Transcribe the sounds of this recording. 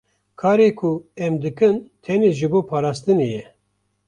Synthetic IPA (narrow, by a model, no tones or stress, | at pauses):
kʰɑːɾeːkʰuɛmd̪ɨkɨnt̪ʰɛneːʒɨboːpʰɑːɾɑːst̪ɨneːjɛ